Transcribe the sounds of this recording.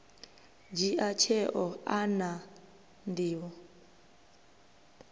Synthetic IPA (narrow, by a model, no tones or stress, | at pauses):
d͡ʒiʔat͡ʃʰɛʔɔana | ndiːwɔ